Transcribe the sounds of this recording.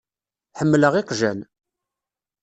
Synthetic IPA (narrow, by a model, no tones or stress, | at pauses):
ħəmːləʁiqʒæn